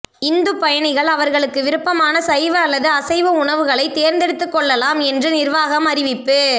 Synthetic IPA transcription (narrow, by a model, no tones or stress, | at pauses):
ɪnd̪ɯpːɐjɐɳɪɣɐɭɐʋɐɾɣɐɭɯkːɯʋɪɾɯpːɐmaːnɐsɐjʋɐɐlːɐðɯɐsɐɪʋɐʊɳɐʋɯɣɐɭɐɪt̪eːɾnd̪ɛɽɯt̪ːɯkːɔɭːɐlaːmɛndrɯnɪɾʋaːɣɐmɐɾɪʋɪpːɯ